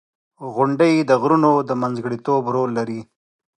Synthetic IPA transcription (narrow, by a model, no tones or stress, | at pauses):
ɣʊɳɖəjd̪əɣɾunod̪əmanzɡɽit̪obɾolːaɾi